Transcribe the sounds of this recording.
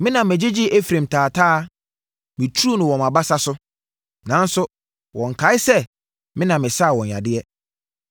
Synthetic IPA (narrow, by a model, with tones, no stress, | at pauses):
mɪ̃˦nã˨mɪ̃˨d͡ʑɪ˦d͡ʑɪ˦ʔe˦fɾẽ˨mtʰaː˨tʰaː˦ | mɪ̃˨tʰu˦u˦nʊ̃˨wɔ̃˨ma˨ba˦sa˦sʊ˦ | nã˨˦n̩˦sʊ˦ | wʔɔ̃˨ŋ̩˨kʰa˨˦ɪ˦sɛ˦ | mɪ̃˦nã˨mːɪ̃˨sa˦˨wɔ̃˨ɲ˨a̰˨dɪ˦ɛ˦